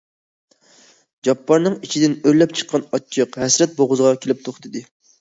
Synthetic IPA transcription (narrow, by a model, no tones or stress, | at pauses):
d͡ʒɑpːɑɾnɨŋit͡ʃʰid̪ɪnøɾlːɛp̚t͡ʃʰə̥qʰːɑnɑt͡ʃʰːɨqɦɛsɾɛt̪̚boʁʊzʁɑkʲʰelɪp̚t̪ʰoχt̪ʰɨd̪ɨ